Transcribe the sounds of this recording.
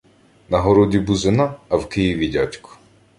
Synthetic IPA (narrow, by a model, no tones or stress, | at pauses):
nɐɦɔɾɔdʲibuzɪnɑːwkɪjiʋʲidʲatʲkʊ̥